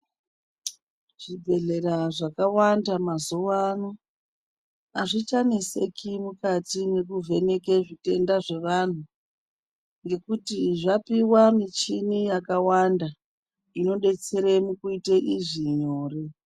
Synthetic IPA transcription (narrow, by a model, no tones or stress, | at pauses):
ʐ̥ibʱe̞ɮe̞ɾaʐakawandamazuwano | aʐit͡ʃanese̞kimukatine̞kuvʱe̞ne̞keʐite̞ndaʐe̞ʋan̤u | ŋɡe̞kutiʐapiwamit͡ʃinijakawanda | ino̞ɗe̞t͡se̞ɾemukuiteʔiʐiɲoːri